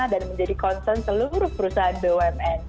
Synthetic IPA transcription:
adanməɲd͡ʒadikɔnsɛnsəluɾʊhpəɾusaɦanbewɛmɛn

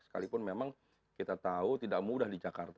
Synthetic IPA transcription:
sə̥ka̰lipʊnmemaŋ | kit̪at̪aut̪idaʔmudahdid͡ʒakart̪

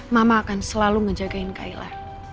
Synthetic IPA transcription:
mamaːkansəlaluŋəd͡ʒaɡaɪnka̰ila̰r

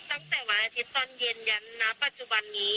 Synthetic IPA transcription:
t̪aŋt̪ɛwalat̪ʰit̪ɔnjend͡ʒanːapat͡ʃubanːi

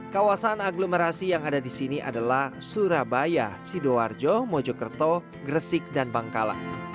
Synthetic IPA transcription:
kawasanaɡlomeɾasijaŋadadisiniʔa̰dalahsuɾabajasidoward͡ʒɔmɔd͡ʒɔkərt̪ɔ | ɡɾəsɪk̚danbaŋkala̰ʔ

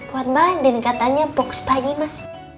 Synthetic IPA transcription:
puanbandɛnkat̪aɲabɔksbaɡimas

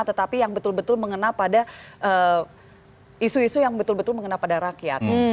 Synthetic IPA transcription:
t̪ət̪apijaŋbət̪ʊlbət̪ʊlməŋənalpadaʔə | isuisujaŋbət̪ʊlbət̪ʊlməŋənalpadaɾakija̰t̪

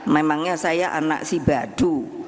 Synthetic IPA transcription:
memaŋɲasajaʔa̰na̰ʔsibad̪̥u

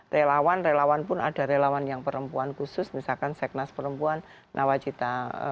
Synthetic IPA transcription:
relawanrelawanpʊna̰da̤ɾelawanjaŋpəɾəmpuankusʊsmisalkansɛk̚naspəɾəmpuan | nʔawat͡ʃit̪a̰

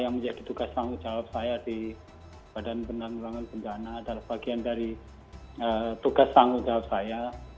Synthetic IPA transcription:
jaŋməɲd͡ʒadit̪uɡast̪aŋɡud͡ʒawap̚sajadi | b̥adanbəndaŋulaŋanbəɲd͡ʒanadalambaɡiandaɾi | ət̪uɡast̪aŋɡud͡ʒawap̚saja

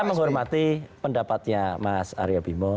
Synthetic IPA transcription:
məŋɦɔrmat̪ipəndapat̪̚ɲamasa̰ɾiobimɔ

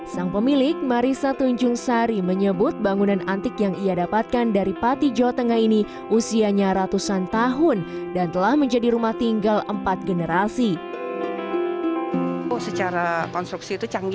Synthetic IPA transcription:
saŋpəmilɪk̚maɾisat̪uɲd͡ʒʊŋsaɾiməɲəbʊt̪̚baŋunanant̪ɪkjaŋiadapat̪̚kandaɾipat̪id͡ʒawat̪əŋahini | ʔusiaɲaɾat̪usant̪aɦʊndant̪əlahməɲd͡ʒadiɾumaht̪iŋɡaləmpat̪̚ɡənəɾasi | uhsət͡ʃaɾakɔnst̪ɾuksiːt̪ut͡ʃaŋ

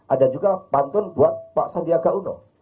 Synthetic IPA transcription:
ʔadad͡ʒuɡapant̪ɔnbuat̪̚paʔsandiaɡalunɔ̰

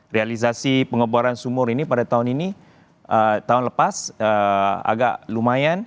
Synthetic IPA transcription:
realis̬asipəŋəbaɾansumʊrinipadat̪aɦʊnini | ʔət̪aɦʊnləpasəa̰ɡaʔlumajan

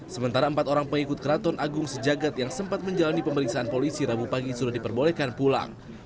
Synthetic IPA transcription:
səmənt̪aɾaəmpat̪oɾaŋpəŋikʊt̪̚kəɾat̪ɔnaɡʊŋsəd͡ʒaɡat̪̚jaŋsəmpat̪̚məɲd͡ʒalanipəməɾiksaanpolisiɾabupaɡisudahdipərbolɛhkanpula̰ŋ

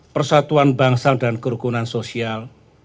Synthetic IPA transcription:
pərsat̪uanbaŋsaŋdankəɾukunansosial

